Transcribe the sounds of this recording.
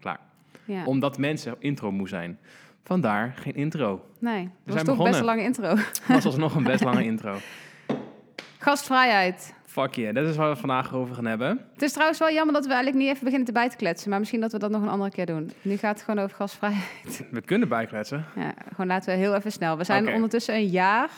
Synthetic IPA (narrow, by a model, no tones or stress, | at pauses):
kla̰ːɹ | jaɔmdɑtmɛnsəʔɪntrowmuɛ̰jn | fɑndaːɹχejnʔɪntrownejəzɛsjtəɔɔbɛnəlɑŋəɪntrowɑsənɔχənbɛstlɑŋəɪntrow | χɑstfrɛjɛjt | fɑkjadɑtɪsʋaːɹʋəfɑndaːχowvəɹχaːnɦɛbəətɪstrɑwənsʋɛlˠjɑməɹdɑtʋəɛjɣnləknitɛfəbəɣɪnəntəbɛjtə̥klɛtsənmaːɹmɪsxindɑtʋədɑtnɔχənɑ̰ndərəkɪːɹdunnyχaːtətxəoːnowvəɹχɑstfrɛjɦɛjtʋəkɵnəbɛjklɛtsəja̰ːχoːnlaːtəʋəɦɪːlˠɛfəsnɛlˠʋəzɛjnɔndəɹtɵsəənjaːr